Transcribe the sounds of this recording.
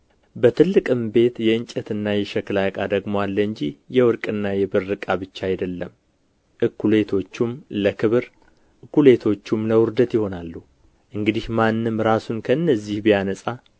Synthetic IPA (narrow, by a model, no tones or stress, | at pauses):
bət̪ʰɨlːɨkʼɨmbe̞t̪jɛɨɲt͡ʃʼɛt̪ɨnːajɛʃɛklakʼad̪əɡmoalːəɨɲd͡ʒijɛwɔɾkʼɨnːajɛbɨɾːɨkʼabɨt͡ʃːaajd̪əlːəm | ʔɨkːule̞t̪ʰo̞t͡ʃːumləkʰɨβɨɾ | ʔɨkːule̞t̪ʰo̞t͡ʃːumləwʊɾd̪ət̪jɪho̞nalːu | ʔɨŋɡɨd̪ihmanːɨmɾasunkʰəɨnːəzːihbijanəsʼa